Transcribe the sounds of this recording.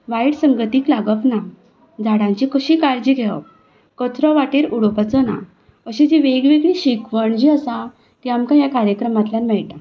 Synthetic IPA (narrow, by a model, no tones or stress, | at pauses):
ʋajɽsəŋɡət̪iːklaɡəpna | d͡zʱaɽãɲt͡ɕikəɕikaɾd͡ʑiɡʱɛʋə̰p̚ | kɔt̪ɾɔʋaʈeɾuɽɔpat͡sɔna̰ | əɕid͡ʑeʋeɡʋeɡɭiːɕikʋəɳd͡ʑiːəsa | t̪iamkãjakaɾjəkɾəmat̪ljãnmɛɭʈ̪a